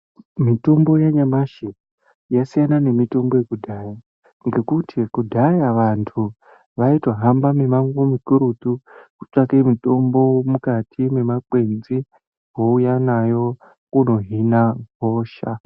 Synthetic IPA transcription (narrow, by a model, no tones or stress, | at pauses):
mito̞mbo̞jaɲamaʃe | jasijanane̞mito̞mbo̞je̞kudʱaja | ŋɡe̞kutʰikudʱajaʋantʰu | ʋaitwaɦambame̞maŋomukuɾut̪uku̥t͡ʂakemito̞mbo̞mukatʰime̞makwe̞nzi | ɦoujanajo̞ | kuno̞ɦinaɡʱo̞ːʃa̰